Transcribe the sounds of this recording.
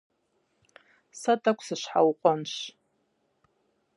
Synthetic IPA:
satʼakʷʰsaʃʷħa̰wqʷʼanʃʷ

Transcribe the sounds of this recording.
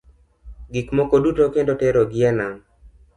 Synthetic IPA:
ɡikmɔkodutokendotɛɾoɡɪanaŋ

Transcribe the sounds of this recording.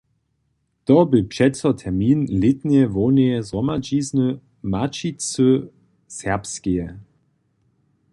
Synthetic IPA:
tɔbɪpʃɛtt͡sɔt̪ʰɛɐmiːnlɪt̪nɛvoneɛzʁɔmad͡ʒiːznə | mat͡ʃit͡sø | sɛɐpskiɛ

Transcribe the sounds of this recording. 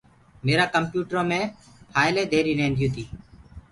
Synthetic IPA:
meːɾaːkəmpjuːʈəɾõːmẽː | pʰaːɪleːd̪ʱeːɾiːnẽːnd̪ʱijũːt̪ʰiː

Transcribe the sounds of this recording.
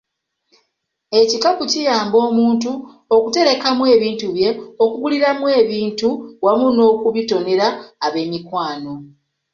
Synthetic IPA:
e̞cikapucijaːmbo̞ːmuːntu | okute̞ɾe̞kamwe̞ːβiːntuβje̞o̞kuɡuliɾamwe̞ːβiːntuwamuno̞ːkuβito̞ne̞ɾaːβe̞ːmikwaːno̞

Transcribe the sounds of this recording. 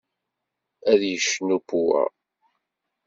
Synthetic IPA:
æðjəʃnupuæ̰

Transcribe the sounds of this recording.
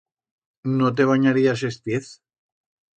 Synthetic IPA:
not̪̬eβ̞aɲaɾiasest̪eθ

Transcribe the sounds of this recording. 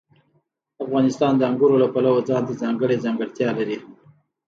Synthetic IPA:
afɣɑnɪst̪ɑnd̪əaŋɡʊɾolapalawod͡zɑnt̪azɑŋɡəɽezɑŋɡəɽt̪jɑlaɾi

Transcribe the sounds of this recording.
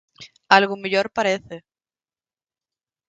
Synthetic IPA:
alɣumeʎoɾpaɾeθe

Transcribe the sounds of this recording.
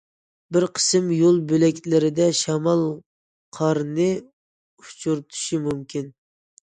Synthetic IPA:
bɪɾqʰə̥sɨmjolˠbølɛkʲlɪɾɪd̪ɛʃɑmɑlˠ | qʰɑɾnɨ | u̥t͡ʃʰuɾt̪ʰu̥ʃimumkʲin

